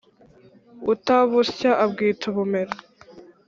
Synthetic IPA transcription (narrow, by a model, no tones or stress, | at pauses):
utaβusçaʔab̚ɡiːtuβumeɾa